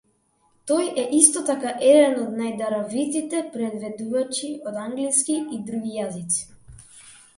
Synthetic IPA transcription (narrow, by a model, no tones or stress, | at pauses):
t̪ɔjɛʔist̪ɔt̪akaʔɛd̪ɛnɔd̪najd̪aɾavit̪it̪ɛpɾɛd̪vɛd̪uvat͡ʃiɔd̪aŋɡliskiid̪ɾuɡijazit̪si̥